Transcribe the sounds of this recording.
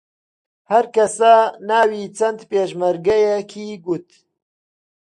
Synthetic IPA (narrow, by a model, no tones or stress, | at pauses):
hɐɾkɐsaːnaːwiːt͡ʃɐnt̪peːʒmɐɾɡɐjɛkʰiːɡut̪